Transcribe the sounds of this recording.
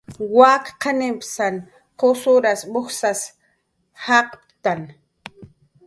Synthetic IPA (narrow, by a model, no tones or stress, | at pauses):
wakqanempsan | qosʊɾasbʊxsas | haqpt̪an